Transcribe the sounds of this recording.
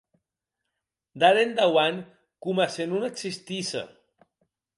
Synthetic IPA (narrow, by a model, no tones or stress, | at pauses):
d̪aɾend̪awaŋ | kumasenunaksist̪isa̰